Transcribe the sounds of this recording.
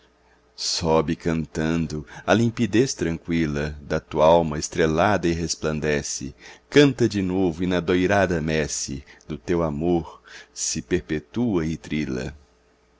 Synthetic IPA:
sɔbɪkɐ̃nt̪ɐ̃nd̪ʊɐlĩmpid̪est̪ɾɐ̃ŋkwilɐd̪ɐt̪uɐawmɐest̪ɾelad̪ɐɪɦesplɐ̃nd̪ɛsɪ̰kɐ̃nt̪ɐd͡ʒɪnovʊɪnɐd̪ojɾad̪ɐmɛsɪ̰d̪ʊt̪ewamoɾsɪpeɾpet̪uɐɪt̪ɾilɐ̰

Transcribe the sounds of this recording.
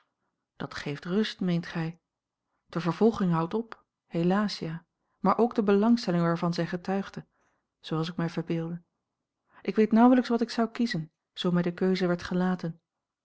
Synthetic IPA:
d̥ɑtχejftrɵstmejntχɛj | d̥əvəɹvɔlˠχɪŋɦʌwtɔp | helaːsja | maːɹʔowɡ̚dəbəlɑŋstɛlɪŋʋaːɹvɑnzɛjχətœɥχdə | z̥owɑlˠs̬ɪkmɛjvəɹbɪːlˠdə | ʔɪkʋejtnʌwələksʋɑtɪksʌwkizən | z̥owmɛjdəkøɥzəʋɛɹtχəlaːtən

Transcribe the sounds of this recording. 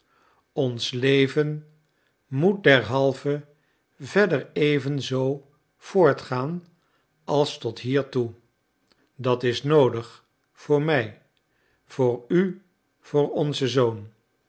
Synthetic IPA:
ɔnslejvən | mut̚dɛɹɦɑlˠvə | vɛɹdəɹejvənzow | v̥ʊːɹtχaːn | ʔɑlˠstɔtɦiːɹtu | dɑtɪsnowdəχ | fʊːɹmɛj | v̥ʊːɹy | v̥ʊːɹɔnzəzown

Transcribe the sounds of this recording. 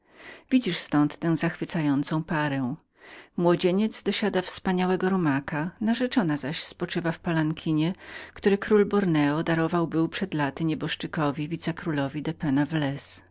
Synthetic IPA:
vʲid͡ʑiʂst̪ɔnt̪ːɛ̃w̃zaxfɘt̪sajɔnt̪sɔ̃w̃paɾɛw̃ | mwɔd͡ʑeɲɛt̪zd̪ɔɕad̪afspaɲawɛɡɔɾɔmakanaʐɛt͡ʂɔnazaɕspɔt͡ʂɘvafpalaŋkʲʰiɲɛkt̪uɾɘkɾulbɔɾnɛɔd̪aɾɔvawbɘwpʂɛd̪lat̪ɘɲɛbɔʂt͡ʂɘkɔvʲivʲit̪sɛkɾulɔvʲid̪ɛpɛnavlɛs

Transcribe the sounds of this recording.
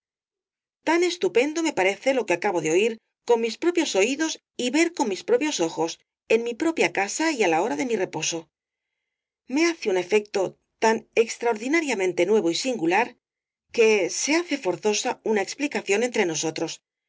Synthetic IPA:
t̪ane̞st̪upe̞nd̪o̞me̞paɾe̞θe̞lo̞keakaβo̞ðeo̞iɾ | ko̞nmispɾo̞pjo̞so̞iðo̞s | iβe̞ɾko̞nmispɾo̞pjo̞so̞xo̞s | e̞nmipɾo̞pjakasaialao̞ɾaðe̞mire̞po̞so̞ | me̞aθeune̞fe̞k̚t̪o̞ | t̪ane̞kst̪ɾao̞ɾðinaɾjamẽ̞nt̪e̞nwe̞β̞o̞isiŋɡulaɾ | ke̞se̞aθe̞fo̞ɾθo̞saunaeksplikaθjo̞ne̞nt̪ɾe̞no̞so̞t̪ɾo̞s

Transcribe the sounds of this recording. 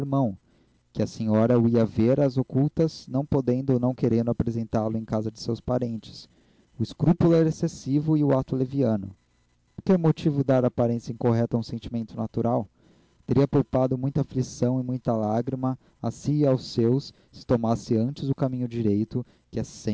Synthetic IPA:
ɾmɐ̃w̃ | kɪɐseɲɔɾɐʊiɐveɾɐzokuwt̪ɐznɐ̃w̃pod̪ẽnd̪ʊonɐ̃w̃keɾẽnd̪ʊapɾezẽnt̪alʊẽj̃kazɐd͡ʒɪsewspaɾẽnt͡ʃɪ̥s | ʊɪskɾupulʊɛɾɐesesivʊɪʊat̪ʊleviɐ̃nʊ̰ | poɾkɛɾmot͡ʃivʊd̪aɾapaɾẽsjɐĩŋkoɦɛt̪ɐũsẽnt͡ʃimẽnt̪ʊnat̪uɾʔaw | t̪eɾiɐpowpad̪ʊmũj̃t̪aflisɐ̃w̃ɪmũj̃t̪ɐlaɡɾimɐ | asiːawsewsːɪ̥t̪omasɪɐ̃nt͡ʃɪzʊkamĩɲʊd͡ʒiɾejt̪ʊ | kɪɛsẽ

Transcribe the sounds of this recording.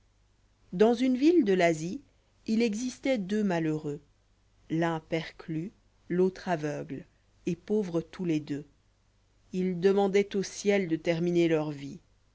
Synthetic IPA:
d̪ɑ̃zynvild̪əlazi | ilɛɡzist̪ɛd̪ømaløʁø | lɛ̃pɛʁkly | lot̪χavœɡl | epovʁət̪uled̪ø | ild̪əmɑ̃d̪ɛt̪osjɛld̪ət̪ɛʁminelœʁvi

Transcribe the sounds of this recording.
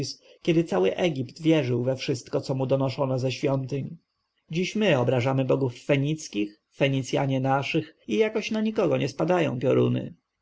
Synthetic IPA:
s | kʲɛd̪ɘt̪sawɘʔɛɡʲipt̪vʲjɛʐɘwvɛfʂɘst̪kɔt̪sɔmud̪ɔnɔʂɔnɔzɛɕfʲjɔnt̪ɘɲ | d͡ʑiɕmɘɔbɾaʐamɘbɔɡufːɛɲit̪skʲix | fɛɲit̪sʲja̰ɲɛnaʂɘxijakɔɕnaɲikɔɡɔɲɛspad̪ajɔ̰̃w̃pʲjɔɾṵnɘ̰

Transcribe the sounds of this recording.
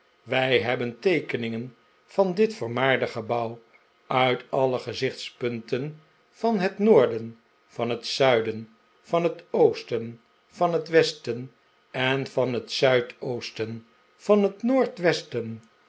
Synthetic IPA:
ʋɛjɦɛbəntejkənɪŋən | v̥ɑndɪtfəɹmaːɹdəχəbɑw | œɥtɑləχəzɪχtspɵntən | v̥ɑnɦətnʊːɹdən | vɑnɦətsœɥdən | vɑnɦətowstən | v̥ɑnɦətʋɛstən | ɛnvɑnɦətsœɥtowstən | v̥ɑnɦətnoːɹtʋɛstən

